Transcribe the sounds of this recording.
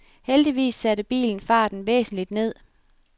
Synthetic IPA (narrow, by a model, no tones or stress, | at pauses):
held̥iʋḭːsːæɾəb̥ḭːln̩fɑ̈ːd̥n̩ʋḛːsn̩lid̥ne̝ð̞̰ˠ